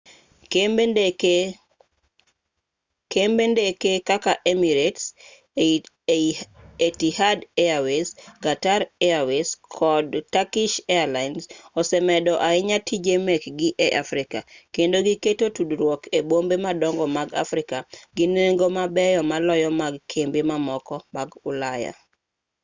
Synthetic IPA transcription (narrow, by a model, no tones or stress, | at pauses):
kembendekekakaʔemiɾets | etihadeawesɡataɾɛaweskʰɔdtakɪʃɛalaɪnsɔsɛmɛdɔʔaɪɲatʰid͡ʒemɛkɡɪʔɛʔafɾɪkakendoɡiketotudɾwɔkʰebombemadɔŋɡɔmaɡa̰fɾɪkaɡineŋɡomabɛjɔmalɔjɔmaɡkʰembemamɔkɔmaɡʊlaja̰